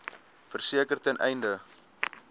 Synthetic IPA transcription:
fərsiəkərtɛnʔɛ̰jndə

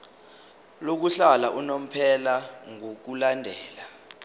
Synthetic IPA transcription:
lok̬uɬalaʔunom̩pʰɛlaŋok̬ulandʱɛːla

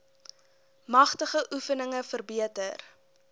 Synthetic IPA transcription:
mɐχtəχəʔufənəŋəfərbiətər

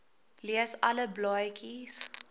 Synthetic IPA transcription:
liəsɐləblɔjkʰis

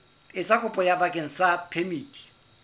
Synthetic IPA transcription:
ɪt͡sʼakʊpʼɔjabakʼeŋ̩sapʰemiːtʼi̥

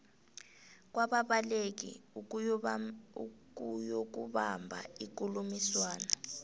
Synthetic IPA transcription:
k̬waɓaɓalek̬ḭ | kujok̬uɓambʱa̰ik̬ulumiswaːna

